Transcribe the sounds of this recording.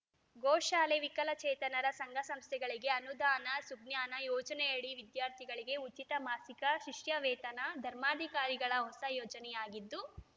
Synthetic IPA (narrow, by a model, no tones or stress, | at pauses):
ɡɔːʃaːleʋikɐlɐt͡ʃɛːt̪ɐnɐɾɐsɐŋɡʱɐsɐmst̪ʰɛɡɐɭiɡe̞ɐnud̪aːnɐsuɡnjaːnɐjɔːt͡ʃɐnɛjɐɽiʋid̪jaːɾt̪ʰiɡɐɭiɡe̞ut͡ʃit̪ɐmaːsikɐʃiʂjɐʋɛːt̪ɐnɐd̪ʱɐɾmaːd̪ʱikaːɾiɡɐɭɐɦɔsɐjɔːd͡ʒɐnɛjaːɡid̪ːu